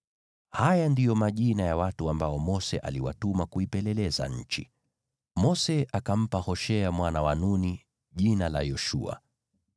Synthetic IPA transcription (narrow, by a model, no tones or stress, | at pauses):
hajandijɔmaʄinajawatuambaɔmɔsɛʔa̰liwa̰tumakuipɛlɛlɛza̰ɲ̩t͡ʃi | mɔsɛakam̩pahɔʃɛamwanawanuni | ʄinala̰jɔʃṵa̰